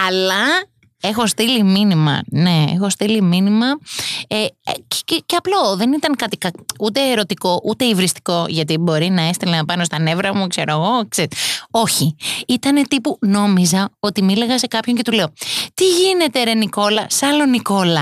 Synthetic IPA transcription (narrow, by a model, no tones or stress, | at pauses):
ɐlɐ | e̞xo̞st̪iliminimɐ̰ne̞ḛxo̞st̪iliminimɐe̥ | ceɐplo̞ðe̞nit̪ɐŋkɐt̪ikɐut̪e̞ːɾo̞t̪iko̞ʔut̪e̞ivɾist̪i̥ko̞ʝɐt̪̬ibo̞ɾinɐe̞st̪ilenɐpɐno̞st̪ɐne̞vɾɐmukse̞ɾoɣo̞kseio̞çiit̪ɐne̞t̪ipuno̞mizɐo̞t̪imile̞ɣɐse̞kɐpço̞ɲce̞t̪ule̞ot̪iʝine̞t̪e̞ɾe̞niko̞lɐsɐlo̞niko̞lɐ